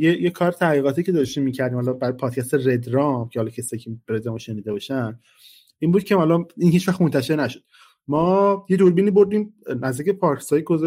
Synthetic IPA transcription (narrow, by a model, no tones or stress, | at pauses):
jejekʰɒːɾet̪ʰæʁiːɣɒːt̪ʰiːcʰe̞d̪ooʃt̪imiːcʰæɾd̪iːmhɒlɒbæɾːjepʰɒːd̪̥cʰʲæst̪ered̪ɾɒmcʰehɒlɒːkcʰesi̥ɒːjcʰeɾed̪ɾɒmʃe̞niːd̪ebɒʃænd̪ | ʔiːnbuːd̪̚cʰeælɒninhiːt͡ʃvæxt̪mont̪ʰæʃe̞ɾnæʃo̥d̪̥ | mɒːje̞d̪oɾbiːniːboɾd̪iːmnæzd̪ikcepʰɒɾksɒːjiɡoz